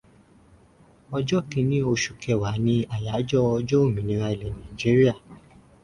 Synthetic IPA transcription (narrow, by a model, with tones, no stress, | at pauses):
ɔ˧d͡ʒɔ˦kĩ˧nĩ˦o˧ʃu̥˨kɛ˨wa˨˦nĩ˦a˨ja˨˦d͡ʒɔ˦ɔ˧d͡ʒɔ˦o˦˨mĩ˨˦nĩ˧ɾ̃a˧i˨lɛ˨nã˨d͡ʒi˨˦ɾi˦a˦˨